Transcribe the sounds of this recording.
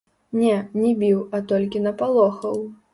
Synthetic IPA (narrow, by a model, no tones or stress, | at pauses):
nʲɛnʲɛbʲiwɐt̪ɔlʲkʲinɐpalˠɔxɐw